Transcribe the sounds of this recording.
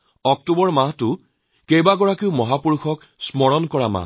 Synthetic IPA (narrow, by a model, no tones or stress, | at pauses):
ɔk̚tubɔɹmaɦtʊ | kejbaɡɔɹakiʊmɔɦapuɹxʰɔk | smɔɹɔnkɔɹama̰